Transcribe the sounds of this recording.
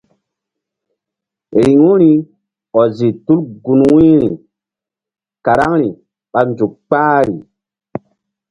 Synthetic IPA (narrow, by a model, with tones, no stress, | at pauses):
ɾi˨ŋu˦ɾi˨˦ | ɔ˨zi˨tu˦lɡu˨nwĩ˦ɾḭ˨ | ka˨ɾa˦ŋɾi˨ | ɓa˨nd͡ʒu˨kk͡paː˦ɾi˨